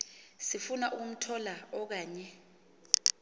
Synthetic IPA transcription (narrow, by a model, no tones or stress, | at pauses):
sifunaʔuk̬um̩tʰɔlaɔk̬aːɲɛ